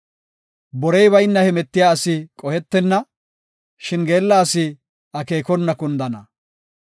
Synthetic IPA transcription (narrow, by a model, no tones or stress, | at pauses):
bɔɾɛjβɐjɪnːɐhɛmɛt̪ːɪjaːɐsɪkʼɔhɛt̪ːɛnːɐ | ʃɪnɡe̞ːlːɐːsɪ | ɐke̞ːkɔnːɐkʊnd̪ɐnɐ